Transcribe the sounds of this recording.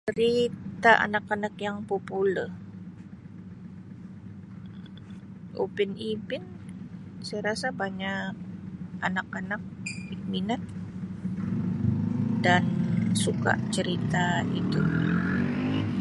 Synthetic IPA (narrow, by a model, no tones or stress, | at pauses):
t͡ʃəɾit̪aʔa̰nakanak̚jaŋpupulə | ʔṵbɪnibɪn | sajɾasabaɲak̚anakanak̚ik̚minat̪̚ | dansuka̰ʔt͡ʃəɾit̪ait̪u